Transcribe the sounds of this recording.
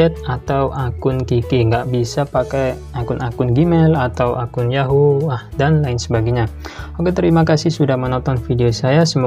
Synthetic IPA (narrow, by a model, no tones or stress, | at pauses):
ɛt̪̚at̪awʔakʊnkikiŋɡaʔbisapakaj | akʊnʔakʊnɡimɛlat̪awʔakʊnjaɦulahdanlaɪnsəbaɡiɲaokɛt̪əɾimakasɪsudahmənɔnt̪ɔnfideosajasəmu